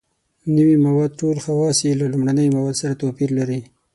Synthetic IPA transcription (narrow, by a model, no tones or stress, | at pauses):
nəwimawɑd̪̚ʈolxawɑsilalʊmɽanəjmawɑd̪saɾat̪opiɾlaɾi